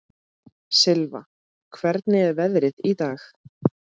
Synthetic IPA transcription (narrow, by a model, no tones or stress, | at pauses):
sɪlva̰ | kʰvɛɾt̪nɪɛɾvɛðɾɪðit̪aːx